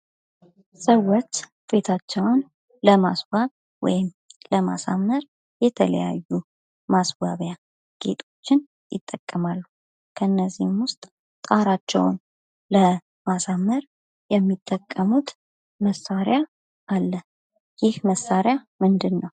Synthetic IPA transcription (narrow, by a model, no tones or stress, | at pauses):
səwːot͡ʃː | fe̞t̪ʰat͡ʃːɛwn | ləmasbaβ | wɔ̰jɪm | ləma̰sa̰mːəɾ | jɛt̪ʰələ̰ja̰jːu | masba̰βja | ɡ̥e̞̰t̪ʰʼo̞t͡ʃːɪn | jɪt̪ʼːəkʼːəmalːu | kʰəɨnːəzːihmwʊst̪ʼ | t̪ʼaɾat͡ʃːɛ̰wn | lə | masamːəɾ | jɛmːit̪ʼːəkʼːəmut̪ | məsaɾja | ʔalːə | jɪhməsːaɾjamɨnd̪ɨnːəw